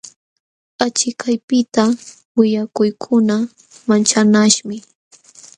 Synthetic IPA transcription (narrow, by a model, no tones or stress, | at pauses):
at͡ʃɪkʰajpɪt̪a | wɪʎakʊjkʰʊna | mant͡ʃanaʃmɪ